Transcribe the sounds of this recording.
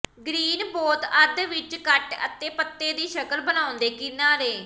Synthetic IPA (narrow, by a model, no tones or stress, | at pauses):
ɡɾiːnboːt̪əd̪ʋɪt͡ʃkəʈə̰t̪eːpət̪ːeːd̪iːʃəkəlbənaːʊ̃nd̪eːkɪnãːɾeː